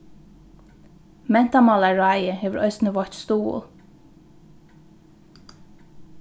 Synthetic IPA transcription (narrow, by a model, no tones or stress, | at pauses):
mɛn̥t̪ɑmɑlɑɹɑɪəheːʋəɹʔœʏst̪nəʋɔt̪st̪ṵːl